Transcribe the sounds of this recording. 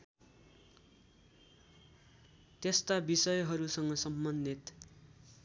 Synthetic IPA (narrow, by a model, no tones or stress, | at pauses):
t̪est̪abisʌjɦʌɾusʌŋɡʌsʌmbʌnd̪it̪